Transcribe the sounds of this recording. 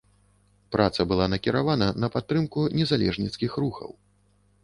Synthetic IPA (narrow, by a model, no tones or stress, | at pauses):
pɾʔat̪sɐbɨlˠanɐkʲiɾavanɐnɐpat̪ːɾɨmkunʲɛzalʲɛ̰ʐnʲit̪skʲixɾuxɐ̰w